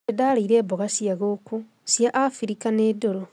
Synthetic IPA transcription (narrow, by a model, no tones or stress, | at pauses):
edalaiɾeːboɣasjaɣoku | sjaʔafiɾikanedoɾo